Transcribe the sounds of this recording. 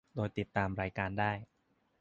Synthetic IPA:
doː˧jt̪i˨˩t̪ːaː˧mɾaː˧jkaː˧ndaː˥˩j

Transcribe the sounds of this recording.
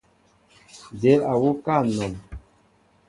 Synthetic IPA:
de˨˦la˨wo˦ka˦˨nɔ˨m

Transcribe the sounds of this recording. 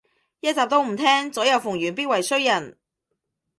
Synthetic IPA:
jɐ˥t̚t͡saː˨p̚t̪o˥wm̩˨˩t̪ʰɛː˥ŋt͡sɔː˨˥jɐ˨˧wfʊ˨˩ŋjyː˨˩npiː˥t̚wɐ˨˩jsɵ˥ɥjɐ˨˩n

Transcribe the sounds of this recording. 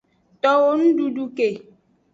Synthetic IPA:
tɔ˦wo˦n̩˦du˦du˦ke˨

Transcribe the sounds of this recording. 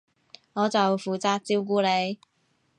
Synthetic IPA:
ŋɔː˨˧t͡sɐ˨wfuː˨t͡saː˧k̚t͡siː˥wk̬uː˧le˨˧j

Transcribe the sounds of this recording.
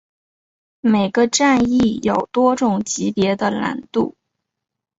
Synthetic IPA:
me˨˩ɪɡə˦ʈ͡ʂa˥˧ni˥˩jo˨˩ʊt̪wɔ˥ʈ͡ʂʊ˨˩ŋt͡ɕi˧˥pjɛ˧˥d̪ə˧la̰˧˥nt̪ṵ˥˩

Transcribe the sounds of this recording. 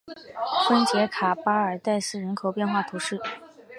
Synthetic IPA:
fə˥nt͡ɕjɛ˧˥kʰa˨˩pa˥ə˞˨˩t̪a˥˧ɪsɹ̩˥˩ɻə˧˥nkʰo˨˩ʊpjɛ˥˧nxwa˥˩t̪ʰu˧˥ʂɻ̩˥˩

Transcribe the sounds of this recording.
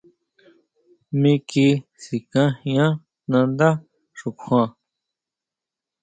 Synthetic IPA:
mĩ˦˧ki˧si˨kã˦hĩ˧ã˦ | nã˧nd̪a˦ | ʂu˨kʷʰã˧

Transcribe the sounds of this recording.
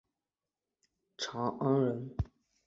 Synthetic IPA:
ʈ͡ʂʰɑ˧˥ʔa˥ŋɻə˧˥n

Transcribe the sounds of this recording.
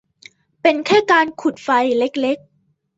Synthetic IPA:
pe˧nkʰɛː˥˩kaː˧nkʰu˨˩t̪̚fa˧jle˦˥k̚le˦˥k̚

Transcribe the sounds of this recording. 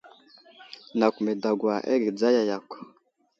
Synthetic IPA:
na˨kʷu˨me˨da˨ɡwa˨ʔḛ˦ɡi˨d͡za˦ja˨ja˨kʷ

